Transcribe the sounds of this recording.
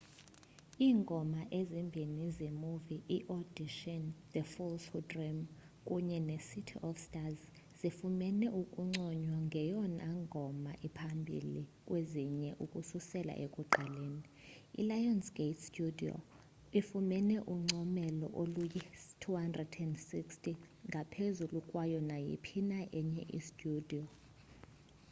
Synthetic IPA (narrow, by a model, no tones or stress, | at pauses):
iːŋɡʱɔmaʔezimbʱinizemuviʔiʔɔdiʃɔnd̪əfulsudrim | kʼuɲɛnesitʰḭʔɔfstʼaz | z̥ifumɛnɛʔukʼuŋ͡ǀɔɲwaŋɡʱɛjɔnʔaŋɡʱɔmaʔipʰambʱḭlik̬ʼweziɲɛʔukʼususɛla̰ʔekʼuǃaleːni | ḭlajɔnsɡ̥etʰstʼudiɔ̰ | ifumɛnɛʔuŋ͡ǀʱɔmɛlɔ̰ʔolujitʰuhandrɛdɛndsikstʰʼiŋɡʱapʰezulukʼwajɔnajḭpʰinaʔɛɲɛʔḭstʼudiɔ